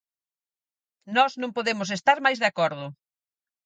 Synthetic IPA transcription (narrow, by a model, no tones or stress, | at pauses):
nɔznõmpoðemʊs̬est̪aɾmajzðeakɔɾðʊ